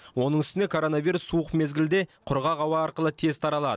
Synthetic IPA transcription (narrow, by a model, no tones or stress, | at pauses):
wo̞nəɴʏst̪ɪne̞kʰo̞ɾo̞naviɾusːuəqme̞zɡʲɪld̪e̞qʰʊɾʁɑʁɑwɑːɾqəlˠət̪ʰe̞zt̪ʰɑɾɑlˠɑd̪ə